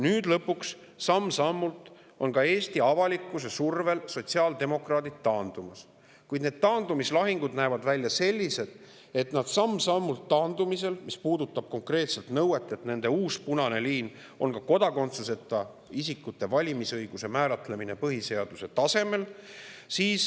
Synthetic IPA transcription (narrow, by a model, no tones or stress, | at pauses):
nyːd̪̥lɤpːuks | sɑmːsɑmːult̪ˑ | o̞nkɑe̞ːsʲt̪iɑvɑlikːˑus̬e̞surve̞lso̞t̪ʲsiɑːld̪̥e̞mo̞krɑːd̪id̪̥̚ːɑːnd̪̥umɑs | kujd̪ne̞ːd̪̚t̪ɑːnd̪̥umislɑɦiŋɡ̥ud̪næevɑd̪vælʲːjɑse̞lʲːise̞d̪̥ | e̞t̪nɑd̪̥sɑmːsɑmːult̪ːɑːnd̪̥umise̞lmispuːd̪ut̪ːˑɑb̥̚ko̞ŋkre̞ːt̪se̞lt̪nɤwe̞t̪ːˑe̞t̪ne̞nd̪̥e̞uːspunɑne̞liːn | o̞nkɑko̞d̪ɑko̞nt̪suse̞t̪ːˑɑ | isikːˑut̪ːˑe̞vɑlʲimisɤjɡ̥use̞mæːɾɑt̪le̞mine̞pɤɦise̞ɑd̪̥use̞t̪ɑse̞me̞lsiːs